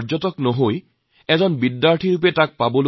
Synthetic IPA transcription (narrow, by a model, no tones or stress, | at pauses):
zɔtɔknɔɦoj | ɛzɔnbidːaɹʈʰiɹupɛtak̚pabɔl